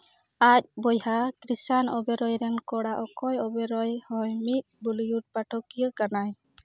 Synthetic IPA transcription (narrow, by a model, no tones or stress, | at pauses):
ac̚bɔjhakɾisanɔbɛɾɔjɾɛnkɔɽaʔɔkɔjɔbɛɾɔjhɔjmit̪̚ˀbulijuʈ̚paʈʰɔkijəkanaj